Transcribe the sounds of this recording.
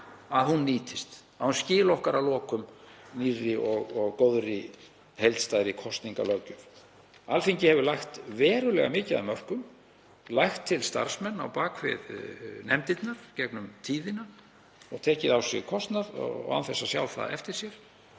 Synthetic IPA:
aðɦunːiːt̪ɪst̪ | aðhunscɪːlɔhkaɾawlɔːkʏmnirːɪʔɔɣɔɣkowðɾɪ | hejlt̪st̪ajɾɪkʰɔst̪niŋka̰lœcʏm | alfiɲcɪhɛvʏɾlajxt̪vɛːɾʏlɛɣa̰mɪːcɪða̰mœr̥kʏm | lajxt̪ʰːɪlst̪a̰ɾ̥smɛnːa̰wpaːkvɪ̰ðnɛmt̪it̪naɾ̥cɛknʏmt̪ʰiːðɪna | ɔɣt̪ʰɛːcɪðawsjɛ̰ɣkʰɔst̪naɾɔ̰ɔ̰ɣa̰nθɛsːasja̰wlθa̰ðɛ̰ft̪ɪɾ̥sjɛɾ̥

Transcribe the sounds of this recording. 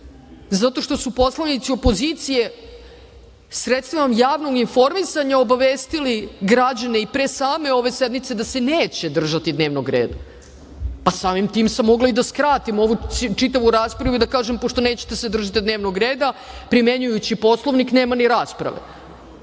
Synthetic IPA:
zat̪o̞ʃt̪o̞supo̞slˠanit̪sio̞po̞zit̪sije̞ | sɾet̪st̪viʋamjaːʋno̞ɡinfo̞ɾmisaɲao̞baʋeːst̪iliɡɾad͡ʑane̞ipɾesaːme̞o̞ʋe̞se̞d̪mit̪se̞d̪ase̞neːt͡ɕe̞d̪r̩ʒat̪id̪ne̞ːʋnoɡɾeːd̪a | pasaːmimt̪iːmsamːo̞ɡlˠaid̪askɾaːt̪imo̞ʋut͡ʂit̪aʋuɾaːspɾaʋuid̪akaːʒempoʂt̪o̞ne̞ːt͡ɕe̥t̪e̞sed̪r̩ʒat̪id̪ne̞ːʋnoɡɾeːd̪a | pɾime̞ɲujut͡ɕipo̞slˠo̞ʋnikne̞ːmaniɾaːspɾa̰ʋe̞̰

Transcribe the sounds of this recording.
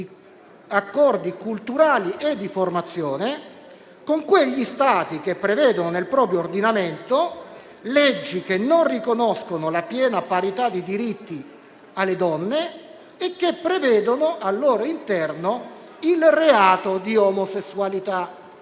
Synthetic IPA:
i | akːɔrd̪ikult̪uɾaːliʔed̪ːiformat̪sːjoːne | koŋkweʎːist̪aːt̪ik̟epːɾevɛːd̪ononelpɾɔːpɾjoːrd̪inament̪o | led͡ʒːik̟enːonrikonɔskonolapjɛːnapaɾit̪ad̪ːid̪iɾit̪ːi | alːed̪ɔnːeː | kːepːɾevɛːd̪onoʔalːoːɾoint̪ɛrno | ilreaːt̪od̪iomosesːualit̪a

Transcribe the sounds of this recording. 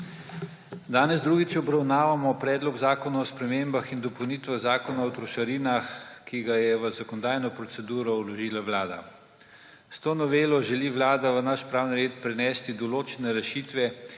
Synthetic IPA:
d̪aːnɛzd̪ɾuːɡit͡ʃɔbɾawnaːʋamɔpɾɛːd̪lɔɡzaːkɔnaɔspɾɛmembaxind̪ɔpɔwniːt̪ʋɛzaːkɔnaɔt̪ɾɔʃaɾinaxkiɡajɛʋəzakɔnɔd̪aːjnɔpɾɔsɛd̪uːɾɔwlɔʒiːlaʋlaːd̪a̰ | st̪oːnɔʋeːlɔʒɛliʋlaːd̪aʋənaʃpɾaːwniɾeːt̪pɾɛnɛːst̪id̪ɔloːt͡ʃɛnɛɾɛʃiːt̪ʋɛ

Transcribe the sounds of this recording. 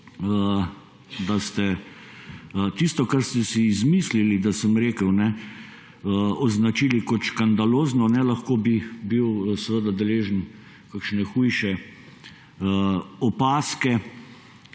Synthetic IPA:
ə | d̪ast̪ɛ | t̪ist̪ɔkaɾst̪ɛsiːzmislilid̪asəmɾeːkəwnɛ | əɔznat͡ʃiːlikɔt̪ʃkand̪aloːznɔnɛlɐxkoːbibiwsɛʋəd̪ad̪ɛleːʒən | kakʃnɛxujʃɛ | ɔpaːskɛ

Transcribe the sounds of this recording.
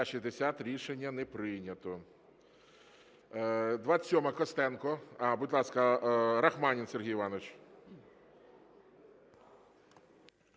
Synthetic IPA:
ʃizʲd̪esʲat̪ɾʲiʃenʲːɐnɛpɾɪjnʲɐt̪ɔ | d̪ʋasʲɔmɐkɔst̪ɛnkɔɐbudʲlˠɑskɐɾɐxmɑnʲinserɦijʋɑnɔt͡ʃ

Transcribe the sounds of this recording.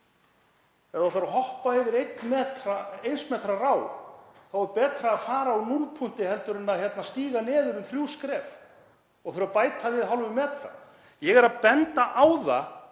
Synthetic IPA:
ɛaaɾaɦɔhpaɛvɪɾejt̪nmɛːt̪ɾaejnsmɛːt̪ɾaraːwθawvɛɾpɛːt̪ɾaːðfaːɾaanulpʰun̥t̪ɪhɛlt̪ʏɾɪnːaçjɛt̪nast̪iːɣanɛːðʏɾʏmθɾjuwskɾɛːv | ɔɣθœɾapaːjt̪ʰavɪðɦalvʏmɛːt̪ɾa̰ | jɛɣɛɾaðpɛnt̪aʔaːwða

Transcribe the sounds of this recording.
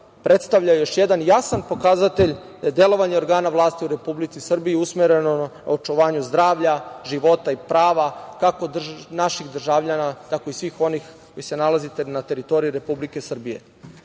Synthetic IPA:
pɾʔet̪st̪aʋʎajejo̞ʃjed̪anjasanpo̞kazat̪eʎ | d̪ajed̪e̞lo̞ʋaɲeo̞ɾɡaːnaʋlˠaːst̪iuɾe̞publit̪sisr̩biiusmeɾe̞nona̰ot͡ʃuʋaːɲuzd̪ɾaːʋʎaʒiʋo̞t̪aipɾaːʋakako̞d̪rnaʃiɣd̪r̩ʒaʋʎanat̪akoisʋixo̞nixko̞jise̞nalazit̪enat̪e̞ɾit̪o̞ɾijiɾe̞publike̞sr̩bije̞̰

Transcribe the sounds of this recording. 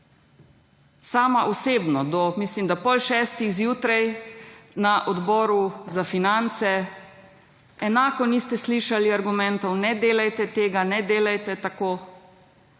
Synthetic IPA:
saːmaʔɔseːbnɔd̪ɔmiːslimd̪apɔlʃɛst̪ixzjuːt̪ɾɛj | naʔɔd̪bɔːɾuzafinant̪sɛ | ɛnaːkɔniːst̪ɛsliːʃaliaɾɡumɛnt̪ɔwnɛd̪eːlajt̪ɛt̪eːɡanɛd̪eːlajt̪ɛt̪akoː

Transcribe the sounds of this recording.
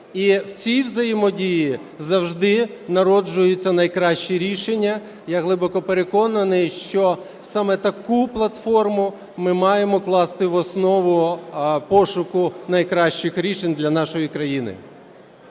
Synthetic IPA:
iwt͡sʲijwzɐjɪmɔdʲiji | zɐwʒd̪ɪnɐɾɔd͡ʒʊjʊt͡sʲːɐnɐjkɾɑʃt͡ʃiɾʲiʃenʲːɐ | jaɦlˠɪbɔkɔpeɾekɔnɐnɪʃt͡ʃɔ | sɑmɛt̪ɐkuplˠɐt̪fɔrmʊ | mɪmɑjemɔklˠɑst̪ɪʋɔsnɔʋʊpɔʃʊkʊnɐjkɾɑʃt͡ʃɪxɾʲiʃenʲd̪lʲɐnɑʃɔjikɾɐjinɪ̰

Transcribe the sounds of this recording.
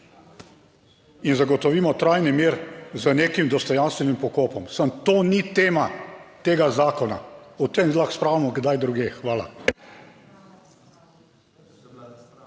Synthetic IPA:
inzaɡɔt̪ɔʋiːmɔt̪ɾajnimeːɾzəneːkimd̪ɔst̪ɔjanst̪ʋɛnimpɔkoːpɔmsəmt̪oːnit̪eːmat̪eːɡazaːkɔna̰ɔt̪emlaxspɾawlmɔɡd̪ajd̪ɾuɡeːxʋaːla̰

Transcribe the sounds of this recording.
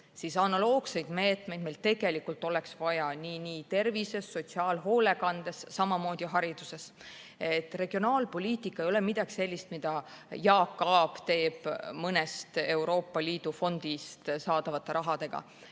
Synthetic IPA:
siːsɑnɑlo̞ːɡ̥se̞jd̪̥me̞ːt̪ˑme̞jd̪mejlt̪e̞ɡ̥e̞likult̪ːˑo̞leksvɑjɑniːniːt̪e̞rvise̞sːo̞t̪siɑːlɦo̞ːle̞kɑnd̪̥e̞sːɑmɑmo̞ːd̪̥iɦɑɾid̪̥use̞s | e̞t̪ːˑre̞ɡ̥io̞nɑːlpo̞lʲiːt̪ikːˑɑejo̞le̞mid̪ɑɡ̥i̥se̞lʲːist̪mid̪̥ɑjɑːkˑːɑːb̥t̪e̞ːb̥mɤnest̪e̞wɾo̞ːpːˑɑliːd̪̥ufo̞nd̪̥ist̪sɑːd̪̥ɑvɑt̪ːˑe̞ɾɑɦɑd̪̥e̞ɡ̥ɑ̰

